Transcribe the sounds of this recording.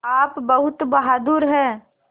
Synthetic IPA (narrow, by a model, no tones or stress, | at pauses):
aːpbɐɦʊt̪bɐɦaːd̪uːɾɦɛː